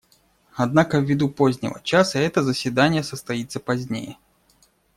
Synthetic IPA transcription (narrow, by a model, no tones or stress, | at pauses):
ɐd̪nakəvʲɪd̪upozʲnʲɪ̰və̰t͡ɕasəɛt̪əzəsʲvʲɪd̪anʲɪjəsəst̪ɐjit̪sːəpɐzʲnʲḛjɛ